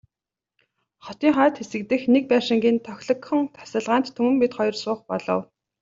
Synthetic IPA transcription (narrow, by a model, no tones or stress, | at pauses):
χɔt̪iːŋχaːt̪xesɘ̆k̚t̪ɘ̆xnek̚pæːʃɪ̆ŋɡʲiːnt̪ʰœxʲɮɞ̆kxə̆ŋt̪ʰḁsə̆ɮʁaːnt̪ʰːɵmɘ̆mpit̪χɔjɞ̆rsʊːχpɔ̰ɮɞ̰̆w